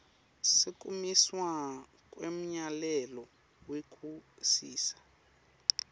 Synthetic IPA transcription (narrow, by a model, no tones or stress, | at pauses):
sikʼumiswa | kʼwem̩ɲalɛlɔ | wekʰʼusiːsḁ